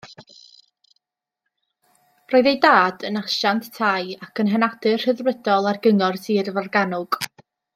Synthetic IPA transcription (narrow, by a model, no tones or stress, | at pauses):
roːɨðejdaːdənaʃanttʰajakʰənɦɛnad̥ɨr̥həðrədɔlˠarɡəŋɔrsiːrvarɡanʊɡ̥